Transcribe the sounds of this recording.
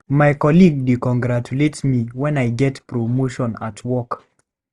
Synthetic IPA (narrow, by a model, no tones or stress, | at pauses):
majkɔliɡ̚dikɔ̃ŋɡɾatuletmiwɛ̃najɡɛtpɾomoʃɔ̃natʰwɔk